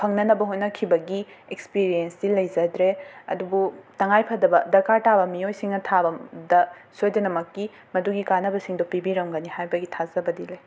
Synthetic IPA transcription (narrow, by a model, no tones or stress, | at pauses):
pʰɐŋnɐnɐbɐɦojnɐkʰibɐɡiekspiɾijensdilɐjzɐdɾeɐ̰dubutɐŋajpʰɐdɐbɐdɐɾkaɾtʰabɐmijojsiŋnɐtʰabɐdɐsojdɐnɐmɐkːi | mɐduɡikanɐbɐsiŋdopibiɾɐmɡɐnihajbɐɡitʰazɐbɐdilɐj